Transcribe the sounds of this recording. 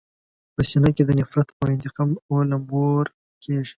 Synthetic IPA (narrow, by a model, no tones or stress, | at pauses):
pəsinaked̪ənɪfɾat̪pəɪnt̪ɪqɑmolamoɾ | kʰeʐi̥